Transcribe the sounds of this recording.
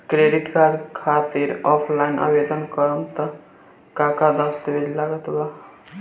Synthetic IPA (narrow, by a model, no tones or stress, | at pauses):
kɾeɖiʈkarɖkʰat̪iɾɔpʰlainʔʌ̰bed̪ʌnkʌɾmt̪ʌ | kakad̪ʌst̪ʌbililaɡʌt̪la